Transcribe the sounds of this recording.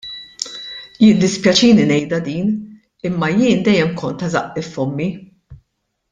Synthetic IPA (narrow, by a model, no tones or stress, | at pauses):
jɪd̪ɪspjɐt͡ʃiːninɛjd̪ɐd̪iːn | ɪmːɐjɪːnd̪ɛjːɛmkɔnt̪ɐzɐʔːɪfːɔmːi